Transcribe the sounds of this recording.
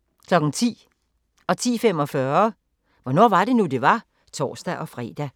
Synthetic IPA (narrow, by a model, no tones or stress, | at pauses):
kʰlɒ̽ɡ̥n̩t͡sʰḭː | ɒ̽t͡sʰḭːfem̰ɒ̽fɶɐ | ʋɒnɒ̰ːʋɑ̈ɾ̥e̝nud̥e̝ʋɑ̈ | t͡sʰɒ̰ːsd̥æʔɒ̽fʁɛ̰ːd̥æ